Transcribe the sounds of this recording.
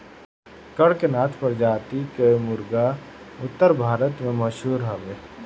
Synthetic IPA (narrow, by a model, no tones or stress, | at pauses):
kɐɽkenaːt̪ʰpəɾd͡ʒaːt̪ikemʊɾɡa | ʊt̪ːəɾbʱaːɾət̪mẽməʃɦuːɾɦɐʋeː